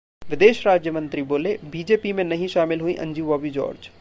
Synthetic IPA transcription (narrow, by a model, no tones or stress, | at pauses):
ʋɪd̪eːʃɾaːd͡ʒjəmə̃nt̪ɾiboːlebiːd͡ʒeːpimẽnɐɦĩʃaːmɪlɦuĩʔɐ̰̃ɲd͡ʒiʋaːbid͡ʒo̰ːɾd͡ʒ